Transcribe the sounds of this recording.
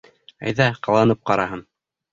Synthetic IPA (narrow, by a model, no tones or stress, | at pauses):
æ̰jðæqɑlˠɑnɤp̚qɑɾɑɦɤn